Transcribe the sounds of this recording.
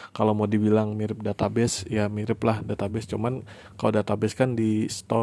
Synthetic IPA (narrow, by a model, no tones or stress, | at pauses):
kalomadibilaŋmiɾɪp̚dat̪abɛsjamiɾɪplahdat̪abɛst͡ʃuman | kaladat̪abɛskandist̪ɔ